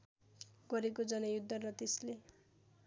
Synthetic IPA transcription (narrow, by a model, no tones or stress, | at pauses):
ɡ̥ʌɾekod͡zʌnʌjud̪ʱːʌrʌt̪esle